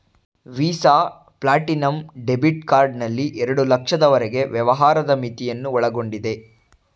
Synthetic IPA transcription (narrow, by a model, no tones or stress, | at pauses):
ʋiːsaː | plaːʈinɐmɖe̞biʈkaːɾɖnɐlːiʔɛɾɐɽulɐkʂɐd̪ɐʋɐɾeɡe̞ʋjɛʋɐɦaːɾɐd̪ɐmit̪ijɐnːuɔɭɐɡo̞ɳɖid̪e̞